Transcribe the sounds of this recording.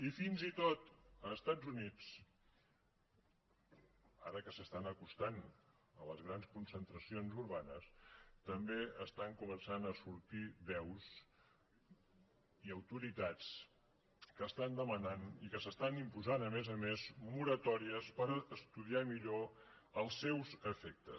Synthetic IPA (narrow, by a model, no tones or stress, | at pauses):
ifinzit̪ot̪əːst̪ad͡zunit͡s | aɾəkəsəst̪anəkust̪an | ələzɣɾanskunsənt̪ɾəsionzuɾβ̞anəst̪əmbeəst̪aŋkumənsanəsuɾt̪iβɛwz | iəwt̪uɾit̪at͡s | kəst̪and̪əmənanikəsəst̪animpuzanəmezəmezmuɾət̪ɔɾiəspəɾəst̪uðiamiʎo | əlˠsːɛwzəfɛk̚t̪ə̰s